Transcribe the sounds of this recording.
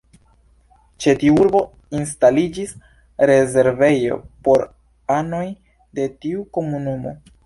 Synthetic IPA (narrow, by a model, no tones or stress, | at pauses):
t͡ʃe̞tiuɾbo̞ | ins̬talid͡ʒis | ɾe̞ze̞ɾve̞jo̞̰po̞ɾ | ano̞j | de̞tiuko̞munumo̞̰